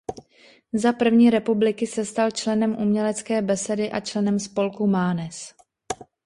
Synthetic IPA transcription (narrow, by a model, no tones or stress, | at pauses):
zapr̩vɲiːɾɛpublɪkɪsɛst̪alt͡ʃlɛnɛmʔumɲɛlɛt͡skɛːbɛsɛdɪʔat͡ʃlɛnɛmspo̞lkumaːnɛs